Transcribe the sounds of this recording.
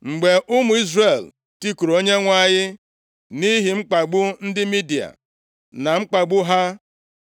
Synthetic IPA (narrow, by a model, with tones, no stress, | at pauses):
ŋ͡m̩˨ɡ͡be˨ʔʊ˦mʊ˨˦i˦zre˨l | ti˦ku˨ɾo˦ɲe˦ŋʷa˦ɲɪ˦ | ni˦ɦi˨ŋ͡m̩˦k͡pa˨ɡ͡bʊ˦n̩˦dɪ˦mi˦di˨a̰˨ | na˨ŋ͡m̩˦k͡pa˨ɡ͡bʊ˦ɦa˦